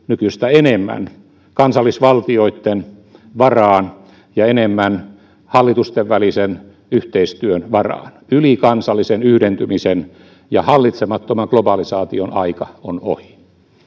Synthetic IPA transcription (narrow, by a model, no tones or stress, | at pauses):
nykyst̪æenemːæ̰n | kɑnsɑlːˑisʋɑlt̪ioit̪ːenʋɑrɑːn | jɑenemːæn | hɑlːit̪ust̪eʋʋælisen | yht̪eist̪yønʋɑrɑ̰ːnylikɑnsɑlːisenyhdent̪ymisen | jɑhɑlːit̪semɑt̪ːomɑŋklobɑlisɑːt̪ionɑikɑono̰hi̥